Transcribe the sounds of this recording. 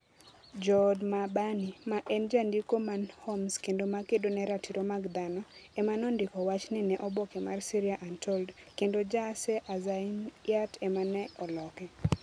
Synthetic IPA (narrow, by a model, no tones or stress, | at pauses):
d͡ʒɔdmabanimaʔɛnd͡ʒandikomanhɔmskendomakedonɛɾatiɾomaɡd̪anɔɛmanɔndɪkɔwat͡ʃnɪnɛʔɔbokɛmarsiɾiaʔantɔld | kendod͡ʒasɛʔazainjatɛmanɛɔlɔkɛ